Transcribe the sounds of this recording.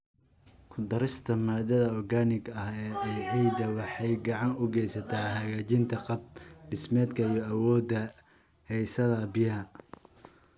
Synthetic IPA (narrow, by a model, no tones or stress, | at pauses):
kʰʊd̪ɐɾɪst̪ʰɐmaːd̪ɐðɐɔrɡaːnɪɡɐhɛːɛjʕiːd̪ɐwɑħɑjɡɑʕɑnʊɡɛjsɐt̪ʰaːhɐɣaːt͡ʃɪnt̪ʰɐqɑb̚ɖɪsmɛːd̪kʰɐijɔɐwɔːd̪ːɐ | hɛjsɐðɐbɪjɐɦɐ